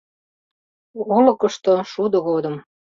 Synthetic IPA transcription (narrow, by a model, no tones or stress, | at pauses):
olɤ̆kə̆ʃt̪oʃud̪əɣod̪əm